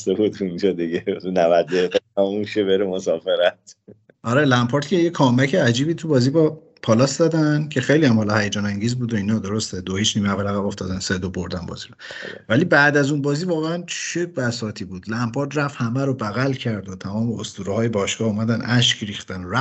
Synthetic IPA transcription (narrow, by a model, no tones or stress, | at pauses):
sebud̪und͡ʒɒd̪iɡet̪unævæd̪eedæmumʃebeɾemosɒːfeɾæt̪ | ʔɒɾelæmpʰɑɾt̪cʰejekʰɒːmæcʰeæd͡ʒiːbiːt̪ʰubɒːziːbɒ | pʰɒːlɒsd̪ɒːd̪æncʰe̞xejliːjæmhɒlɒhæjed͡ʒɒːnæŋɟiːzbuːd̪oiːnɒːd̪o̞ɾost̪ed̪ohiːt͡ʃʰniːmeævælæɣæbo̞ft̪ɒ̰ːd̪ænsed̪obo̞ɾd̪ænbɒ̰ːziɾovælibæʔd̪æzunbɒːzivɒːɣeænt͡ʃʰebæsɒːt̪ʰiːbuːd̪læmpʰɒːɾt̪ræfhæmæɾobæɣælcʰæɾd̪ot̪ʰæmɒːmeost̪uːɾɔhɒːjebɒːʃɡɒːhuːmæd̪ænʔæʃcʰɾixt̪ænoɾæ